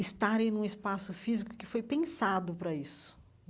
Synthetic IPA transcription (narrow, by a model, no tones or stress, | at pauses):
ɪst̪aɾẽj̃nũɪspasʊfizikʊ̥kɪfojpẽsad̪ʊpɾɐisʊ̥